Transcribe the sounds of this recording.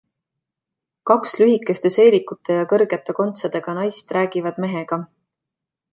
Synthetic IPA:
kɑkslyɦikːˑe̞st̪e̞se̞ːlikːut̪ːˑe̞jɑkɤrɡ̥e̞t̪ːˑe̞ko̞nt̪sɑd̪e̞ɡ̥ɑnɑjst̪ræːɡ̥ivɑd̪̥me̞ɦe̞ɡ̥ɑ

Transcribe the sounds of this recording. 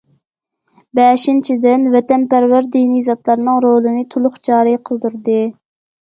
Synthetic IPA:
bɛʃint͡ʃʰid̪ɪnvɛt̪ɛnpæɾwæɾd̪inijzɑt̪lˠɑɾnɨŋɾolˠɨnɨt̪ʰulˠʊχd͡ʒɑːɾɨjqʰəlˠd̪uɾd̪ɨ

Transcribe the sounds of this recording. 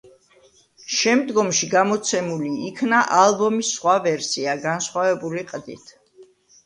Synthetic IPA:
ʃɛmd̪ɡɔmʃiɡamɔt̪sʰɛmuliːkʰnaʔalˠbɔmisːχwavɛɾsiaɡansχwavɛbuliqʼd̪ḭt̪ʰ

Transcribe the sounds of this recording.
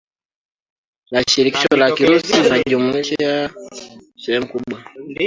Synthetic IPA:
laʃiɾiki̥ʃɔlakiɾusinaʄumuiʃa | sɛɾɛm̩kuɓwa

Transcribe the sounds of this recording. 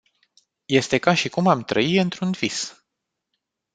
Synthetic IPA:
je̞st̪e̞kaʃikumamt̪ɾəiɨnt̪ɾunv̥is

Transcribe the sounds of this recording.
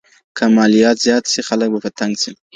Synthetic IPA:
kʰamɑlijɑt̪zjɑt̪sixalək̚bapət̪ʰaŋɡsi

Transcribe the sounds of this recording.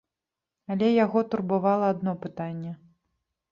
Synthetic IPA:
alʲɛjaɣɔt̪urbavalˠɐad̪nɔpɨt̪anʲːɛ

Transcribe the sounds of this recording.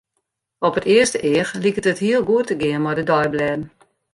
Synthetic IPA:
ɔpətɪəstəʔɪəxlikətəthiəlˠɡuətəɡɪənmɔjdədɔjblɛːdn̩

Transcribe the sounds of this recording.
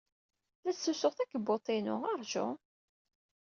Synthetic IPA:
ðæsːusʊχθækːbot̪ˤinʊ̰ɑɾˤʒʊ̰

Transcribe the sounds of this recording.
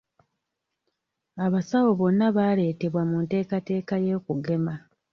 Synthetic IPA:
aβasawo̞βo̞nːaβaːle̞ːte̞βwamunte̞ːkate̞ːkaje̞ːkuɡe̞ma

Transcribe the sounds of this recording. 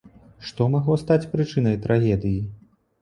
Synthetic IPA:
ʂt̪ɔmaɣlˠɔst̪at͡sʲpɾɨt͡ʂɨnɐjt̪ɾʔaɣʲɛd̪ɨji

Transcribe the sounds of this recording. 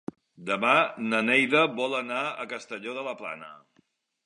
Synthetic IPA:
d̪əmanənɛjðəβɔlənaə̰kəst̪əʎoðələpla̰nə̰

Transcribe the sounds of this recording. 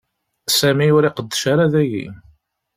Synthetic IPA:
sæmiʊɾiqəd̪ːʃaɾaðæjḭ

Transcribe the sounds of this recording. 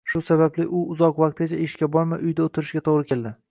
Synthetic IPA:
ʃʊsabablɪʔʊʊzɒqvaq̚t̪̚ɡʲat͡ʃʰaeʃkʲabɒɾmaʔʊjd̪aot̪ʰɪɾɪʃɡʲat̪ʰoʁɾɪkʲe̞ld̪ɪ

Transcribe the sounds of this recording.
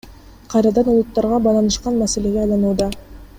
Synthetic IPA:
qʰɑjɾɑd̪ɑnulˠut̪ːɑɾʁɑbɑlˠɑnɯʃqɑnmæse̞le̞ɡeɑjlˠɑnuːd̪ɑ

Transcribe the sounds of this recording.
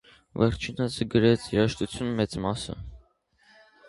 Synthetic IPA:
vɛɾt͡ʃʰinəsɡəɾɛt͡sʰiɾɑʃt̪ut͡sʰjunmɛt͡smɑsə̰

